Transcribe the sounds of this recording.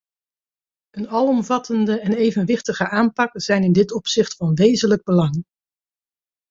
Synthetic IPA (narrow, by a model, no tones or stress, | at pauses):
ənɑlˠɔmvɑtʰəndəɛnejvənʋɪχtəχəʔaːmpɑkz̥ɛjnɪndɪtɔpsɪχtfɑnʋejzənləɡ̚bəlɑŋ